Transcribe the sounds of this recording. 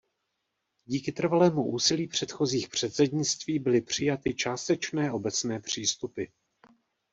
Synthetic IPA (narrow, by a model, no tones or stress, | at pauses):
ɟiːkɪt̪r̩valɛːmuʔuːsɪliːpr̥ɛt̪xo̞ziːxpr̝̥ɛt̪t͡sɛdɲɪt͡st̪viːbɪlɪpr̝̥ɪjat̪ɪt͡ʃaːst̪ɛt͡ʃnɛːʔo̞bɛt͡snɛːpr̝̥iːst̪upɪ